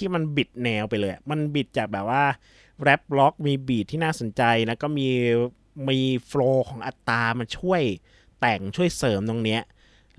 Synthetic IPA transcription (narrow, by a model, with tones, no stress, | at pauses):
iː˥˩ma˧nbi˨˩t̪̚nɛː˧wpa˧jlɤː˧ja˨˩ma˧nbi˨˩t̪̚t͡ɕaː˨˩k̚bɛː˨˩p̚waː˥˩ | ɾɛ˦˥p̚lɔ˦˥k̚miː˧biː˨˩t̪ʰːiː˥˩naː˥˩so˩˦nt͡ɕa˧jna˦˥kɔː˥˩miː˧ | miː˧floː˧kʰɔː˩˦ŋʔa˨˩t̪ːaː˧ma˧nt͡ɕʰu˥˩əj | t̪ɛ˨˩ŋt͡ɕʰu˥˩əjsɤː˩˦mt̪o˧ŋni˦˥ɐʔ